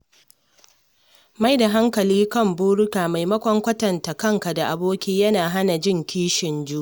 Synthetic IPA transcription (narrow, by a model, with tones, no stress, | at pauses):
ma˦jda˨ɦa˦ŋkɐ˨liː˦kɐ˦˨mbuː˦ɽʊ˦kaː˨ma˨jmɐ˦kʷɔ˦ŋkʷɐ˦tɐ˨nta˨kɐ˦˨ŋka˨da˨ʔa˨boː˦kʲiː˦jɐ˦naː˨ɦa˦na˨d͡ʒɪ˦˨ŋkʲiː˦ʃɪ˨nd͡ʒu˦